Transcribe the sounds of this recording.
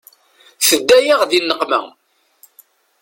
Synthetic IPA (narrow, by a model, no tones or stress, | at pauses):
θəd̪ːæjaʁðinːəqmæ̰